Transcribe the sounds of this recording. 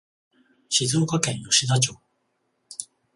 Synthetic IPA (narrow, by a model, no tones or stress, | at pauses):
ɕizɨkakɛjoɕid̪at͡ɕo